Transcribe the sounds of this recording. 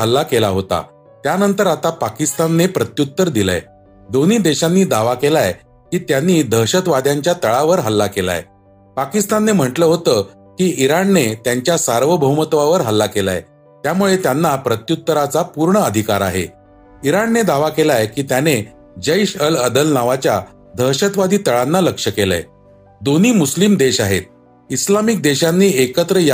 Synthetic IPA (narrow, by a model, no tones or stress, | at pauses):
ɦəlːakelaɦot̪a̰ | t̪janənt̪əɾat̪apakist̪anːepɾət̪jut̪ːəɾd̪ila̰j | d̪on̤iːd̪eɕanːiːd̪aʋakelaj | kiːt̪janːiːd̪ʱəɕət̪ʋad̪ʱjaɲt͡ɕjat̪əɭaʋəɾɦəlːakela̰j | pakist̪anːem̤əʈləɦot̪əː | kiːʔiɾanːet̪jaɲt͡ɕjasaɾʋəbʱəmət̪ʋaʋəɾɦəlːakela̰j | t̪jamuɭet̪janːapɾət̪jut̪ːəɾat͡sapuɾɳəəd̪ʱikaɾa̰ɦḛ | iɾanːed̪aʋakelajkiːt̪jane | d͡ʑəiɕələd̪əlnaʋat͡ɕja | d̪ʱəɦɕət̪ʋad̪ʱiːt̪əɭanːaləkʂəkela̰j | d̪on̤iːmuslimd̪eɕaɦḛt̪̚ | islamik̚d̪eɕanːiːekət̪ɾəj